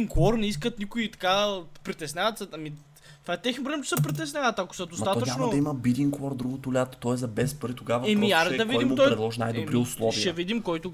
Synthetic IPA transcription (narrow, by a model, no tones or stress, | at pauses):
ŋkɔɾnɛiskət̪nikʊit̪ɐ̥kapɾit̪ɛsnʲavət̪səɐmi | t̪vaɛt̪ɛxnobɾɛɛmt͡ʃɛ̥sɛpɾit̪̬ɛsnʲavət̪ɐko̥sɐd̪osmɐt̪at̪ɔət͡ʃanod̪ɐiməbid̪ʲiŋkɔɾd̪ɾuɡʊt̪ʊlʲat̪o̥t̪ɔjɛzɐbɛspɾit̪oɡavɐɛmiaɾɛd̪ɐvid̪imɔjɾɛd̪lˠɔʒinajd̪obɾiʊslˠɔvviʃɛvid̪imkɔjt̪ʊ